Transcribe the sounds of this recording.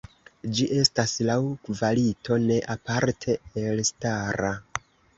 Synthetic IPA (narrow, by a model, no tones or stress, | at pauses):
d͡ʒiʔe̞staslawkvalito̞ne̞ʔapaɾtʰe̞elstaɾa